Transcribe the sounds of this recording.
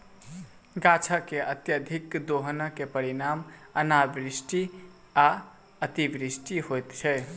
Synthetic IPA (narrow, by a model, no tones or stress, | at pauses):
ɡãt͡ʃʰakeʔət̪jəd̪ʱikd̪oɦənəkepəɾinamənabɾisʈi | a | ət̪ibɾisʈiɦojt̪t͡ʃʰɛ